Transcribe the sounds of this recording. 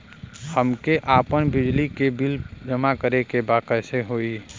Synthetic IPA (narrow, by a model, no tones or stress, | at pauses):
həmkeʔaːpənbɪd͡ʒlikebild͡ʒəmakəɾekebaːkəjseɦoːi